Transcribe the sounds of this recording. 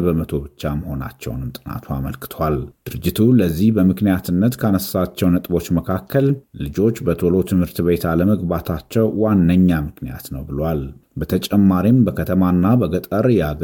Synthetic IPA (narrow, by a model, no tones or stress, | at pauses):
bəmət̪ʰo̞bɨt͡ʃːaməho̞na̰t͡ʃːɛ̰wnɨmt̪ʼɨna̰t̪ʰua̰mə̰lkɨ̥t̪ʰəwald̪̥ɨɾɨd͡ʒːɪt̪ʰuləzːihbəmɨknijat̪ʰɨnːət̪kʰanəssat͡ʃːɛwnət̪ʼbo̞t͡ʃːməkʰakʰːəllɨd͡ʒo̞t͡ʃːbət̪ʰolo̞t̪ʰɨmhɨɾt̪βe̞t̪aləməɡbat̪ʰat͡ʃːɛwːanːəɲːamɨknija̰t̪nəwbɨlwalbət̪ʰət͡ʃʼɛmːaɾimbəkʰət̪ʰəmanːabəɡət̪ʼəɾjɛaɡ